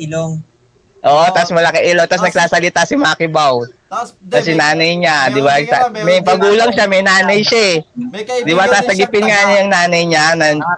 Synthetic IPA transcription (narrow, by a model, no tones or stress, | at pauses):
ŋ | ʔoːʔot̪asmɐlɐkɛʔɪloŋt̪asnɐɡ̚saːsɐlɪt̪asɪmakɪbaw | k̪ɐs̬ɛnaːnɐjɲad̪ɪbasamɛjpɐɡuːlɐŋʃamɛjnaːnɐjʃaɛd̪ɪbasaːsɐɡɪpɪnŋaʔnɐjɐŋnaːnɐjɲanɐn